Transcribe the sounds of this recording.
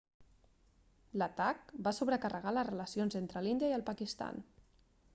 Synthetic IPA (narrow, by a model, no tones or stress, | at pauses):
lət̪ak̚basuβɾəkərəɣ̞aləzrələsionzent̪ɾəlind̪iəiəlˠpəkist̪a̰n